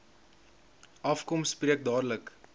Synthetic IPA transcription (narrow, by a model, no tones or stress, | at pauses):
ʔɐfkɔmsːpriək̚dɑːdlək